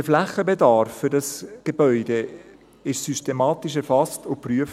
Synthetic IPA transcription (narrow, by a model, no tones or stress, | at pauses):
əflæχəbedɑɾfːʏɾdɑsɡ̥eb̥œʏd̥e | ɪʃsystemɑːtiʃɛɾfɑstʊpryəf